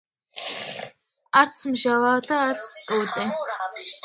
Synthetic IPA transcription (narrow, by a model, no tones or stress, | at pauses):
aɾt̪sʰmʒavaːd̪aːɾt̪sʰt̪ʼud̪ʼɛ